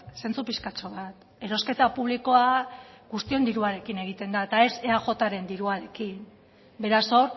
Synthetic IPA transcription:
se̞nt͡supiskat͡ʃo̞βat̪ | e̞ɾo̞ske̞t̪apuβliko̞aɣust̪io̞nd̪iɾuaɾe̞kine̞ɣ̞it̪e̞nd̪aet̪ae̞seaxo̞t̪aɾe̞nd̪iɾuaɾe̞kin | be̞ɾaso̞ɾ

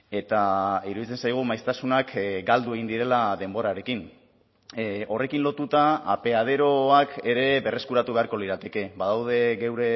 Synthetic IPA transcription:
e̞t̪aiɾuðit͡se̞nsajɣ̞umajst̪asunakɡald̪ue̞ɣ̞ind̪iɾe̞laðe̞mbo̞ɾaɾe̞kin | o̞re̞kinlo̞t̪ut̪aa̰pe̞að̞e̞ɾo̞ake̞ɾe̞βe̞re̞skuɾat̪uβe̞aɾko̞liɾat̪e̞ke̞βaðawð̞e̞ɣewɾe̞

